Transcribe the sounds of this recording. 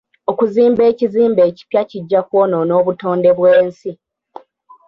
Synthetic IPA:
o̞kuziːmbe̞ːciziːmbe̞ːci̥pjaciɟːakwo̞ːno̞no̞ːβuto̞ːnde̞βweːnsi

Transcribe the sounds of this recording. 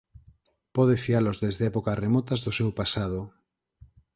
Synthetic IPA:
pɔðefialozðezðeɛpokasremɔt̪azðosewpasaðo

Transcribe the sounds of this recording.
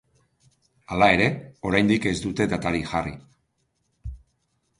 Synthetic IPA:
alae̞ɾe̞o̞ɾajnd̪ike̞zd̪ut̪e̞d̪at̪aɾiʝarḭ

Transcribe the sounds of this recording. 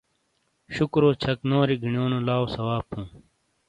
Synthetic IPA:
ɕukɾoːt͡ɕʰɐknoːɾiɡʱiɳjoːnolaːosɐwaːpːũː

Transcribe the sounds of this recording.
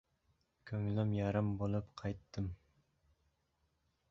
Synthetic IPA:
kʲʰøŋlɪmjɑɾɨmbolˠupqʰɑjt̪ʰːɨm

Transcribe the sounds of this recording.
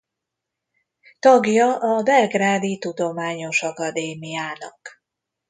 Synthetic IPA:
t̪ɒɡjɒʔɒbɛrɡraːd̪it̪ud̪o̞maːɲo̞ʃɒkɒd̪eːmijaːnɒ̰k

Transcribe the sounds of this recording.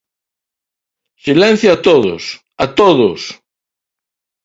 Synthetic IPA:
silẽn̟θjoat̪oðo̰s | at̪oðos

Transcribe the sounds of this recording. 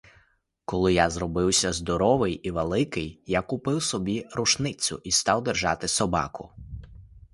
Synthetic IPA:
kɔlˠɪjazɾɔbɪwsʲɐzd̪ɔɾɔʋɪjiʋelˠɪkɪjjakʊpɪwsɔbʲiɾʊʃnɪt͡sʲʊ̰ʔist̪ɑwd̪erʒɑt̪ɪsɔbɑ̰kʊ

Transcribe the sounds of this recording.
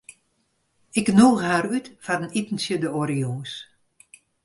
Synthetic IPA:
ɪknoːɣəhaːɾytfarənitn̩sjədəoɾioːs

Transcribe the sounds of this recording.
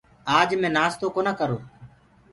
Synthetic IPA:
aːd͡ʒmẽːnaːst̪oːkoːnãːkəɾoː

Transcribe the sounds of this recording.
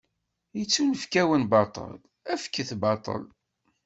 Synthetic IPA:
jət͡sːunəfkæwənbɑt̪ˤə̰l | æfkːəθbɑt̪ˤə̰l

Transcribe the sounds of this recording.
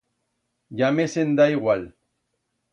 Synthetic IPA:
ʝamesend̪aiɣwal

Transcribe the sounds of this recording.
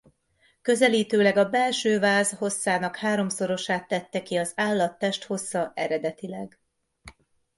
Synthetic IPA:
kø̞zɛliːt̪øːlɛɡɒbɛlʃøːvaːzho̞sːaːnɒkhaːɾo̞mso̞ɾo̞ʃaːt̪ːɛt̪ːɛkiɒzaːlːɒt̪ːɛʃt̪ho̞sːɒʔɛɾɛd̪ɛt̪ilɛɡ

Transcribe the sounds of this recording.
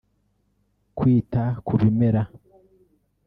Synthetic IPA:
kwiːtakʰuɾimeɾa

